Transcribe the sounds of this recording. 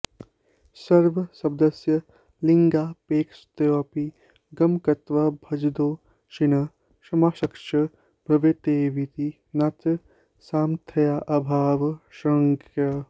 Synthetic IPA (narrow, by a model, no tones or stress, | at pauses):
sɐɾʋɐsɐbd̪ɐsjɐ | liŋɡaːpeːkst̪ɐjoːpi | ɡɐmkɐt̪ʋɐbʱɐd͡ʒd̪oː | ʃinɐ | ʃɐmaːʃɐkʃɐ | bʱɾɐʋet̪eːʋit̪i | nɐt̪ | saːmt̪ʰɐjaːʔɐbʱaːʋʃɐŋkʰjɐ